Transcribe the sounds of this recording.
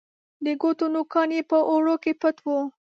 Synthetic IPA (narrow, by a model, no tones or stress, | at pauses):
d̪əɡot̪onukɑnjepəʔoɽokepət̪wu